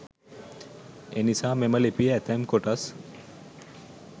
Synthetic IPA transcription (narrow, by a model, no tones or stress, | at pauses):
enisaːmeməlepiæt̪ʰɛmkoʈas